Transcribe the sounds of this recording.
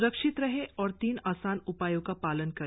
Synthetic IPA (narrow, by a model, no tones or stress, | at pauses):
ɾəkʃɪt̪ɾɐɦeʔɔːɾt̪iːnaːsaːnʊpaːjõkapaːlənkɐ